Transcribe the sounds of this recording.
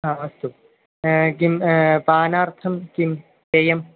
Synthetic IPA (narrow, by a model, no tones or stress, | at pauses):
ɦãːʋɐst̪u | ɡimbaːnaːɾt̪ʰɐmkim | t̪ejɐm